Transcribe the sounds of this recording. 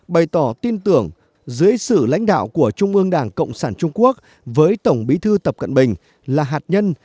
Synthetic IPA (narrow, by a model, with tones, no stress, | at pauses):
ɓə˨˩jt̪ɔ˧˩t̪i˧nt̪ɨ˧˩əŋ | zɨ˨˦əjsɨ̰˧˨la̰˧˥jŋ̟ɗa̰ː˧˨wku˧˩ət͡ɕʊ˧ŋ͡mʔɨ˧əŋɗaː˧˩ŋkə̰˧˨wŋ͡msaː˧˩nt͡ɕʊ˧ŋ͡mku˦˥ək̚ | vəː˨˦jt̪ə˧˩wŋ͡mɓi˨˦t̪ʰɨ˧t̪ə˨˩p̚kə̰˧˨nɓï˨˩ŋ̟ | laː˨˩ɦaː˨˩t̚ɲə˧n